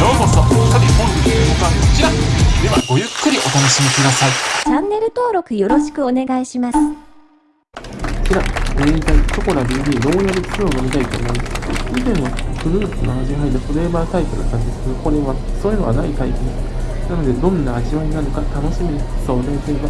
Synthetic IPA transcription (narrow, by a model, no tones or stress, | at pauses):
jomosokabʲipõneɯokat͡ɕiɾad̪e̞βaɡo̞jɯ̟kːɯ̟ɾʲiʔo̞t̪anoɕimʲikɯd̪asait͡ɕãnːe̞ɾɯ̟t̪o̞ːɾo̞kɯ̟jo̞ɾo̞ɕi̥kɯ̟one̞ɡaiɕimasɨ̥ | t͡ɕiɾaẽɲt̪ait̪o̞ko̞ɾabiːb̪ʲiːno̞ːjaɾʲit͡sɯoːnomʲit̪ait̪o̞̰ːmo̞masit̪ẽɰ̃βapɯ̟ɾɯ̟ːt͡sɨnaʑiɦaid̪at̪oɾe̞ːbaːt̪aipɯ̟ɾak̪ãɲid͡ʑd̪esked̪oko̞ɾe̞βasoːjɯ̟noɡanait̪aikʲeɲi | nano̞d̪e̞d̪õ̞nːaːʑiβaɲʲinanokat̪ano̞ɕimiɲisoːɾeĩseba